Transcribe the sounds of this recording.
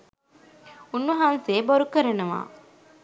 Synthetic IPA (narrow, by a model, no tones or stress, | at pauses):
unːɐɦanseːboɾukəɾɐnɐʋa̰ː